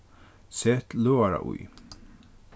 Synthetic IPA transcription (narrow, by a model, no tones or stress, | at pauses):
sɛt̪løːaɾa̰ʔṵj